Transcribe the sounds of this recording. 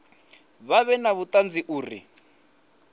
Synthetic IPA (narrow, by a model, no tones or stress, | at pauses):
βaβɛnaβutʼand͡ziʔuːrḭ